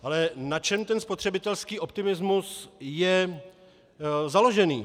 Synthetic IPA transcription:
ʔalɛnat͡ʃɛmt̪ɛnspor̝̥ɛbɪt̪ɛlskiːʔo̞p̚t̪ɪmɪzmusjɛ | zalo̞ʒɛnḭː

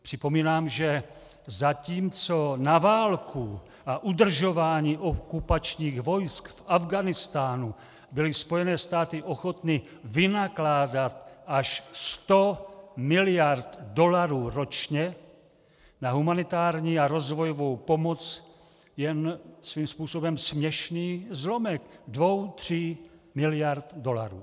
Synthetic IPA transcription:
pr̥ɪpo̞miːnaːmʒɛ | zaciːmt͡sonavaːlkʰu | ʔaʔud̪r̩ʒo̞vaːɲiːʔokupat͡ʃɲiːɣvo̞jskfavɡanɪst̪aːnu | bɪlɪspo̞jɛnɛːst̪aːt̪ɪʔoxot̪nɪvɪnaklaːdat̪aʃst̪omɪlɪjaɾt̪do̞laɾuːɾo̞t͡ʃɲɛ | naɦumanɪt̪aːɾɲiːaɾo̞zvo̞jovo̞wpo̞mot͡s | jɛnsviːmspuːso̞bɛmsmɲɛʃniːzlo̞mɛkdvo̞wt̪r̥i | mɪlɪjaɾt̪do̞laɾuː

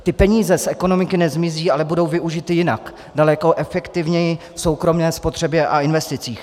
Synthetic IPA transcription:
t̪ɪpɛɲiːzɛsʔɛko̞no̞mɪkɪnɛzmɪziːʔalɛbudo̞wvɪʔuʒɪt̪ɪjɪna̰k | dalɛko̞ʔɛfɛkt̪ɪvɲɛjɪ | fso̞wkɾomnɛːspo̞t̪r̝̥ɛbjɛʔaɪnvɛst̪ɪt͡siːx

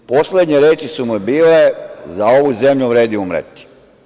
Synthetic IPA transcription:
po̞sled̪ɲeɾeːt͡ʃisumujebiːle̞zao̞ʋuzemʎuʋɾeːd̪iumɾḛt̪i̥

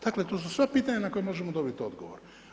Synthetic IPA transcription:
d̪aklet̪oːs̬usʋepiːt̪aɲanako̞jemo̞ʒemod̪o̞bit̪io̞d̪ɡoʋo̰ɾ

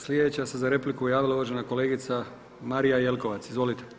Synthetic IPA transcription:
slʲjed̪et͡ɕasezaɾe̞plikujaːʋilauʋaʒenako̞leːɡit̪sa | maɾijajelko̞ʋat̪sizʋo̞lit̪e

